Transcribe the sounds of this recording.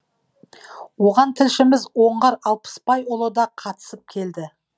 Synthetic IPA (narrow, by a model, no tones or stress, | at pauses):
wo̞ʁɑnt̪ʰɪlʃɪmɪzwo̞ɴʁɑɾɑlˠpə̥spʰɑjʊlˠəd̪ɑqʰɑt̪ə̥səp̚kʲʰe̞ld̪ɪ